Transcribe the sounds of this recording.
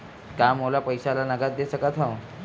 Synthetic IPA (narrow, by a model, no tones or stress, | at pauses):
kamolapəjsalanəɡat̪̚d̪esəkat̪ʰãw